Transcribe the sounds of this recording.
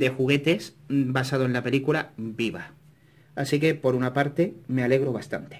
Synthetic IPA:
d̪e̞xuɣ̞e̞t̪e̞sbasað̞oe̞nlape̞likulabiβa | asike̞po̞ɾunapaɾt̪e̞me̞ale̞ɣ̞ɾo̞βast̪a̰nt̪e̥

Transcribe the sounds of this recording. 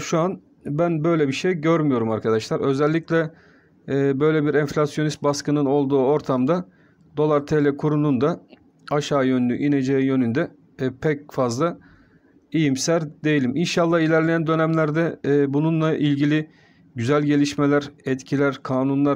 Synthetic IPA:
ʃuan | bænbø̞jlʲɛbiʃejɟøɾmyjo̞ɾumaɾkʰad̪aʃlˠaɾø̞zɛlʲːiclʲɛː | bø̞jlʲɛbiɾɛɱflʲasjo̞nist̪baskɯnɯno̞lˠd̪uːo̞ɾt̪ʰamd̪a | d̪o̞lˠaɾt̪ʰelʲɛkʰuɾunund̪a | aʃaːjø̞nlʲy̰ʔine̞d͡ʒejijø̞nynd̪ɛ | pʰɛc̚fazlˠa | ejimsæɾd̪e̞jilʲiminʃalˠːahilʲæɾlʲe̞jænd̪ø̞næmlʲæɾd̪ɛbununlˠaʔilʲɟilʲi | ɟyzælʲɟe̞lʲiʃmelʲæɾɛt̪cʰilʲæɾkʰaːnunlˠaɾ

